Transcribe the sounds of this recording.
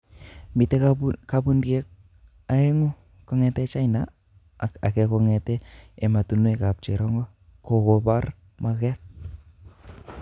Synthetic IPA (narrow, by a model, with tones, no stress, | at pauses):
mbi˨te˦kabu˦nɡe˦k̚ | ae˦ŋo˦ | kɔ˦ŋɛ˦tɛt͡ʃa˦jna˨ | a̰˨kɛkɔ˧ŋɛ˨tɛː˨ma˨tu˨nwɛ˨ka˨p̚t͡ʃḛ˨ɾɔ˦ŋɡɔ˦ | ko˨ko˨pa˦r | ma˧kɛt̚